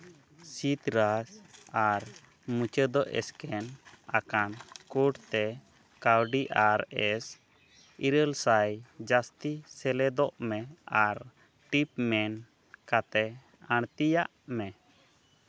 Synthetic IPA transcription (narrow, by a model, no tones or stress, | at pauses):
sit̪ɾasaɾ | mut͡ʃəd̪ɔʔɛ̰skɛna̰kankuʈt̪ɛ | kawɖiʔaɾɛs | iɾəlsajd͡ʒast̪isɛlɛd̪ɔʔmɛaɾ | ʈip̚mɛn | kat̪ɛ | aɽ̃t̪ijaʔmɛ